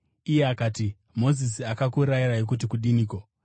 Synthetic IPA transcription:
ijeakaːti | mo̞zis̬iakakuɾaiɾaik̬ut̬ikuɗiniːko

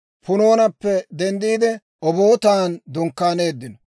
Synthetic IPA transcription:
pʊno̞ːnɐpːɛd̪ɛnd̪iːd̪ɛ | ɔbo̞ːt̪aːnd̪ʊŋkːaːneːd̪ːɪnɔ

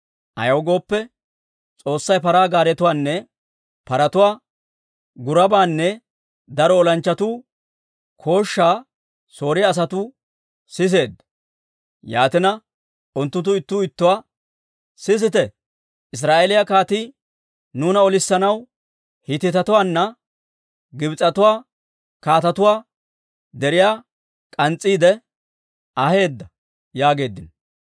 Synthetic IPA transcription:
ʔɐ̰jɐwɡo̞ːpːɛ | t͡sʼo̞ːsːɐjpɐɾaːɡaːɾɛt̪ʊwaːnːɛ | pɐɾɐt̪ʊwaː | ɡʊɾɐbaːnːɛ | d̪ɐɾɔːlɐnt͡ʃːɐt̪uː | kʰo̞ːʃːaː | so̞ːɾɪjaːs̬ɐt̪uː | sɪs̬e̞ːd̪ | ja̰ːt̪ɪnɐ | ʔʊnt̪ːʊt̪̬ːʊɪt̪ːuːɪt̪ːʊwaː | sɪs̬ɪt̪ɛ | ʔɪs̬ɾaːʔelɪjɐkaːt̪iː | nuːnɐɔlɪsːɐnɐw | hɪt̪ːɪt̪ɐt̪ʊwaːnːɐ | ɡɪbɪt͡sʼːɐt̪ʊwaː | kaːt̪ɐt̪ʊwaː | d̪ɛɾɪjaː | kʼɐnt͡sʼːiːd̪ɛ | ɐhe̞ːd̪ːɐ | jaːɡe̞ːd̪ːɪn

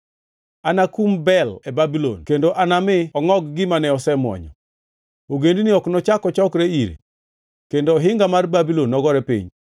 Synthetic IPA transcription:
anakumbɛlɛbabilo̰nkendoʔanamɪɔŋɔɡɡɪmanɛɔsɛmwɔ̰ɲɔ̰ | oɡendiniɔknɔt͡ʃakɔt͡ʃɔkɾeiɾḛ | kendoːɦɪŋɡamarbabilonːɔɡɔɾɛpḭɲ

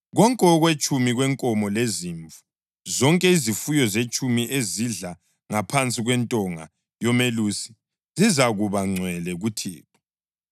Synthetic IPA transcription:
ɣɔŋkʼɛɔɣwet͡ʃʼumiɣwɛŋkʼɔmɔleziɱvu̥ | zɔŋkʼɛizifujɔzet͡ʃʼumiʔeziɮa | ŋapʰant͡sʼiɣwɛntʼɔŋa̰ | jɔmelusi̥ | zizaɣuβaŋ͡ǀʱwɛlɛɣutʰḭːtʰɔ̥

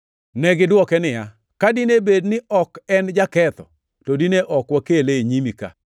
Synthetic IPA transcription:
nɛɡɪdwɔkɛnɪja | kadinebednɪʔɔkɛnd͡ʒakɛt̪ɔ̰ | todineʔɔkwakeleɲimika̰

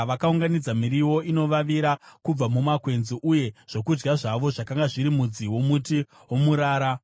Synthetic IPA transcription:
ʋakauŋɡanid͡zamiɾiwo̞ino̞ʋaʋiɾakub͡vamumakwe̞nziʔuje̞ʐ̥o̞kud͡ʒɡaʐaʋo̞ʐakaŋɡaʐiɾimud͡ziwo̞muti | wo̞muɾaːɾa

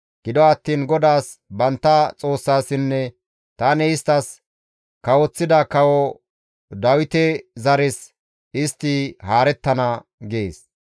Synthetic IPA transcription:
ɡ̥ɪd̪ɔɐt̪ːiːnɡɔd̪aːsbɐnt̪ːɐt͡sʼo̞ːsːaːsɪnːɛ | t̪aːnɛɪst̪ɐs | kɐwɔt͡sːɪd̪ɐkɐwɔ | d̪ɐwɪt̪ɛzɐɾɪs | ɪst̪ːɪhaːɾɛt̪ːɐnɐ | ɡɪḛːs

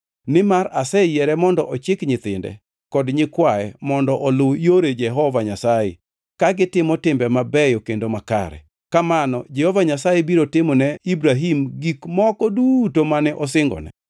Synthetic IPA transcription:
nɪmaɾasɛjɛɾɛmɔndɔʔɔt͡ʃɪkɲɪt̪ɪndɛ̰ | kɔdɲɪkwaɛmɔndɔʔɔlʊjoɾed͡ʒɛɦɔvaɲasajḛ | kaɡɪtɪmɔtɪmbɛmabɛjokendomaka̰ɾɛ̰ | kamanɔ̰d͡ʒɛhɔvaɲasajɛbiɾotɪmɔnɛibɾaɦimɡikmɔkɔdutomanɛʔɔsɪŋɡɔ̰nɛ̰

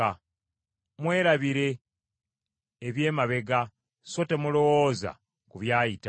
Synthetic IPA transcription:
a | mwe̞ːɾaβiɾe̞ | βje̞ːmaβe̞ɡa | so̞te̞mulo̞wo̞ːza̰ | kuβjaːjita

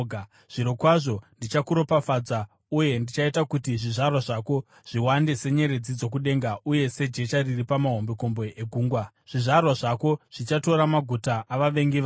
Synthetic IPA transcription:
ɡ | ʐ̥iɾo̞kwaʐo̞ndit͡ʃakuɾo̞pafad͡za | uje̞ndit͡ʃaitakutiʐiʐarwaʐako̞ | ʐ̥iwande̞se̞ɲe̞ɾe̞d͡zid͡zo̞k̬uɗe̞ŋɡauje̞se̞d͡ʒe̞t͡ʃariripamaɦo̞mbeko̞mbo̞ʔeɡʱuːŋɡwa | ʐ̥iʐarwaʐako̞ʐ̥it͡ʃato̞ɾamaɡʱutaʔaʋaʋe̞ŋɡiʋa

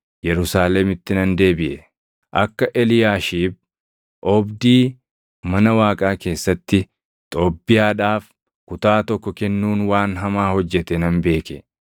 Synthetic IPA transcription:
jɛɾʊsaːlɛmɪt̪ːɪnɐnd̪e̞ːbɪʔɛ | ʔɐkːɐʔɛlɪjaːʃiːb̚ | ʔɔbd̪iː | mɐnɐwaːkʼaːke̞ːsːɐt̪ːɪ | t̪ʼo̞ːbːɪjaːᶑaːf | kʊt̪aːt̪ɔkːɔkɛnːuːnwaːnɦɐmaːhɔd͡ʒːɛt̪ɛnɐnbe̞ːkɛ

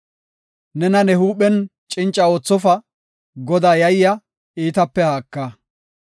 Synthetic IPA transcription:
nɛnɐnɛhuːɓɛn | t͡ʃʼɪnt͡ʃʼːɐo̞ːt͡sːɔfɐ | ɡɔd̪aːjɐjjɐ | iːt̪ɐpːɛhaːkːɐ

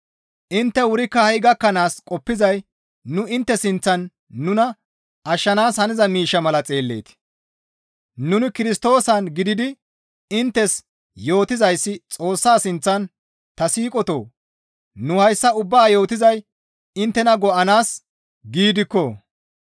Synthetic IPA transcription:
ʔɪnt̪ːɛwʊɾɪkːɐhɐjɡɐkːɐnaːskʼɔpːɪzɐj | nʊɪnt̪ːɛsɪnt͡sːɐnː | ʊnɐ | ɐʃːɐnaːshɐnɪzɐmiːʃːɐmɐlɐt͡sʼe̞ːlːe̞̰ːt̪ɪ̥ | nʊnɪkɪɾɪst̪o̞ːsɐnɡɪd̪ɪd̪ɪ | ɪnt̪ːɛs | jo̞ːt̪ɪzɐjsːɪt͡sʼo̞ːsːaːsɪnt͡sːɐn | t̪ɐsiːkʼɔt̪o̞̰ː | nʊhɐjsːɐʊbːaːjo̞ːt̪ɪzɐj | ɪnt̪ːɛnɐɡɔʔɐnaːs | ɡiːd̪ɪkːɔ

